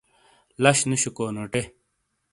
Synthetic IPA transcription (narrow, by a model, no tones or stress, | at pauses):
lɐɕnuɕukoːnoːʈe